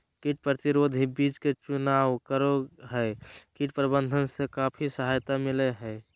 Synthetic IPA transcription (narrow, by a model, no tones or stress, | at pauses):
kiʈ̚pɾət̪iɾoːd̪ʱibit͡ʃket͡ʃunawkəɾoɦɛkiʈpɾəbə̃nd̪ʱənsekapʰisəɦajt̪amileɦɛ